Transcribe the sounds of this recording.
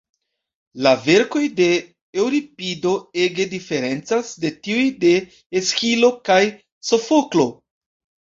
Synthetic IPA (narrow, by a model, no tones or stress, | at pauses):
lave̞ɾko̞jde̞ | ewɾipido̞e̞ɡe̞dife̞ɾe̞nt͡sasde̞tiujde̞ | eskilo̞kaj | so̞foklo̞